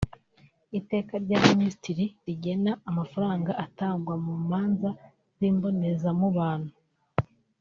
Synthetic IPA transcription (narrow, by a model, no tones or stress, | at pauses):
ite̞ːkaɾɟaːminisitiɾiɾiɟe̞naːmafaɾaːŋɡaʔataːŋɡwamuːmaːnza | ziːmbo̞ne̞zamuβaːn̥hu